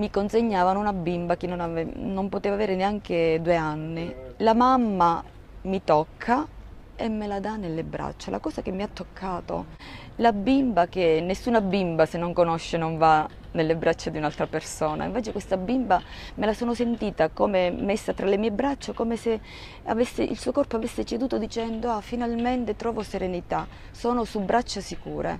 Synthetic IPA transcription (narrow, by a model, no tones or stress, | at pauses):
mikonseɲːaːvanunabimbakenːonanompot̪eːvaveːɾeneaŋk̟ed̪ueanːilamamːa | mit̪ɔkʰːa | emːelad̪anːelːebɾa̰t͡ʃːala̰kɔːsak̟emːiat̪ːokʰːaːt̪o̰ | labːimbak̟enːesːuːnabimbasenːoŋkonoʃːenoɱva | nelːebɾʔat͡ʃːad̪iunalt̪ɾapersoːna̰ḭɱveːt͡ʃekwest̪abimbamelasoːnosent̪iːt̪akoːmemesːat̪ɾalemiːebɾat͡ʃːakoːmese | a̰vesːeʔḭlsuːokɔrpoavesːet͡ʃed̪uːt̪od̪it͡ʃɛnd̪oafinalment̪et̪ɾɔːvoseɾenit̪a | soːnosubɾat͡ʃːasikuːɾḛ